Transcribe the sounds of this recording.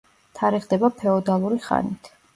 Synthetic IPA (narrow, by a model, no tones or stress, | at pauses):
t̪ʰaɾɛʁd̪ɛbapʰɛɔd̪alˠuɾiχa̰nit̪ʰ